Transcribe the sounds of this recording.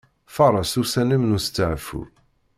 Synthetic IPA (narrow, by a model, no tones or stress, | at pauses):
fɑɾˤɑsusænəmnust̪ːəʕfṵɾ